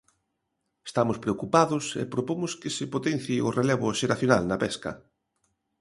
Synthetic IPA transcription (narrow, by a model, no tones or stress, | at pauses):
e̥st̪amʊspɾeokupaðʊsḛpɾopomʊskɪsɪpot̪en̟θiʊreleβʊʃeɾaθjonalnɐpɛskɐ̰